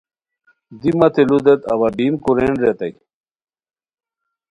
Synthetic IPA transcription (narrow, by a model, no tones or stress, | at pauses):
d̪imɐt̪ʰelud̪et̪ɐ̰βɐbiːnkuɾeːɳɖɾet̪ɐk